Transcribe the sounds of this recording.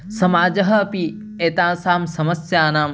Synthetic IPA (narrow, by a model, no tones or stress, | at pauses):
sɐmaːd͡ʒɐɦɐːpi | eːt̪ãːsaːmsɐmɐsjaːnaːm